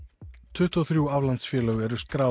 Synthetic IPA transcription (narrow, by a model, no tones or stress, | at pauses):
t̪ʰʏht̪ɔθɾjuavlant̪sfjɛːlœɣɛɾʏskɾa